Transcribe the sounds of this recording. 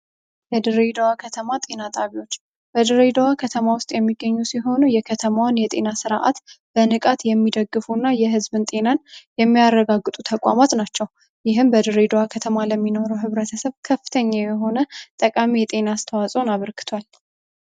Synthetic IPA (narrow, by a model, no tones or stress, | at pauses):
jɛd̪ɨɾed̪əwakʰət̪ʰəmat̪ʼe̞nat̪ʼaβiwo̞t͡ʃː | b̥əd̪ɨɾed̪əwakʰət̪ʰəmawʊst̪ʼjɛmːiɡːəɲːusiɦo̞nujɛkʰət̪ʰəmawanjɛt̪ʼe̞̰nasɨɾʔa̰t̪b̥ənɨkʼat̪jɛmːid̪əɡːɨfunːajɛɦɨzbɨnt̪ʼe̞nanjɛmːijarːəɡaɡːɨt̪ʼut̪ʰəkʼwa̰mat̪nat͡ʃːɛw | jɪɦɨmbəd̪ɨɾed̪əwakʰət̪ʰəmaləmːino̞ɾəwɦɨβɾət̪ʰəsəβkʰəfɨ̥t̪ʰəɲːajɛɦo̞nət̪ʼəkʼamijɛt̪ʼe̞nast̪ʰəwasʼo̞naβəɾkɨ̥t̪ʰwal